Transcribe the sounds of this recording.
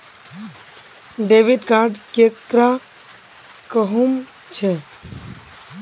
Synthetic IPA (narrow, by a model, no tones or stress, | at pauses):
ɖeʋiɖɡaɾɖkekɾa | kəɦum | t͡ʃʰe